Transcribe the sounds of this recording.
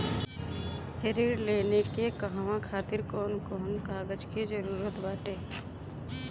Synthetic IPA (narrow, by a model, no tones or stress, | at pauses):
heɾiɾleːnekekəɦʋãkʰaːt̪ɪɾkɔːnkɔːnkaːɡəd͡ʒked͡ʒəɾuːɾət̪baːʈeː